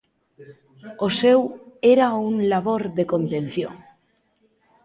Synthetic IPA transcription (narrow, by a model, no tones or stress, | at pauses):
oseweɾauŋlaβoɾðekont̪ẽn̟θjo̰ŋ